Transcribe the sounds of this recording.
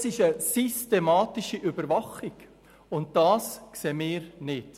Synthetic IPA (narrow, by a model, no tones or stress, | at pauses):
sɪʃəsystemɑːtɪʃiʔʏbəɾvɑχɪɡ | ʊnt̚d̥ɑːskseːmɪːɾnɪt